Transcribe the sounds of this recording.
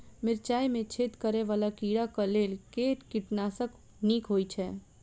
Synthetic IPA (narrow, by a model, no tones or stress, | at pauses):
mɪɾt͡ʃaːjmẽt͡ʃʰet̪kəɾɛʋaːlakiɽakəlelkeʈkiʈnasək | nikɦojt͡ʃʰɛ